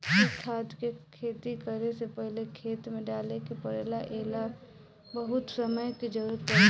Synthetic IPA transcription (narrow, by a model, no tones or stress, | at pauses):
ɪt̪ʰaːt̪kekʰeːt̪ikəɾesepəɦlekʰeːt̪mẽɖaːlekipɐɾeːlaʔeːla | bɐɦʊt̪səməjkid͡ʒɐɾəɾt̪ə